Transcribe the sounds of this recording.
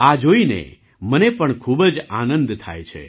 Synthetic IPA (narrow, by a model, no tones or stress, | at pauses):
ad͡ʒoinḛ | mənepəɳkʰubəd͡ʒanə̃nd̪t̪ʰa̰jt͡ʃʰḛ